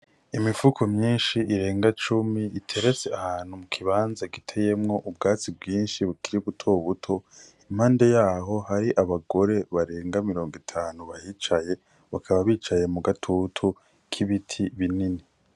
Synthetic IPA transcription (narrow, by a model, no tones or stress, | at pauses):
imifukʰo̞mɲiːnʃiiɾe̞ːŋɡat͡ʃumiitʰe̞ɾet͡seahaːn̥humukʰiβaːnzaɡitʰe̞je̞mŋo̞ʔub̚ɡaːt͡sibɡiːnʃiβukiɾiβutʰo̞βutʰo̞ | imhaːnde̞jaːɦo̞haɾiʔaβaɡo̞ɾe̞βaɾe̞ːŋɡamiɾo̞ːŋɡitʰaːnuβahiːt͡ʃaje̞ | βakʰaβaβiːt͡ʃaje̞muɡatʰutʰu | kʰiβitʰiβinini